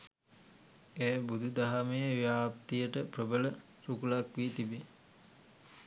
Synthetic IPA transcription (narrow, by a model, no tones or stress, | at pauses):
eːbud̪ʱud̪aɦamejəʋjaːpt̪ijəʈəprəbələ | ɾukulakʋit̪ibe